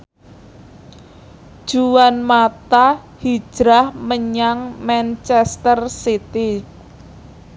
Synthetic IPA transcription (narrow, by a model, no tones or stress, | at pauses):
d̥ʒ̥uwanmat̪a | hi̥ʒ̥ɾahməɲaŋmant͡ʃɛst̪ərsit̪i